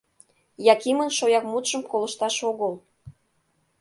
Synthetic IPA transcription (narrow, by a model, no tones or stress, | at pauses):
jɑkimənʃojɑk̚mut̪ʃə̆mkolə̆ʃt̪ɑʃoɣəl